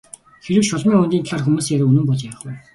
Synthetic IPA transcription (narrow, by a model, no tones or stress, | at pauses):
xeɾɘ̆wʃʊɮmiːŋʊnt̪ʲiːnt̪ʰaɮaːrxumuːseɾɘ̆ːunɘ̆mpɔɮt͡ɕaw̆χwiː